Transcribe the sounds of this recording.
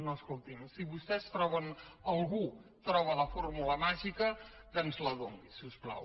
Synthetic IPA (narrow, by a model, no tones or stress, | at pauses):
noəskolˠt̪imsiβust̪ɛst̪ɾɔβənəlˠɣut̪ɾɔβ̞ələformuləmaʒikək̪ənzləðoŋɡisuspla̰w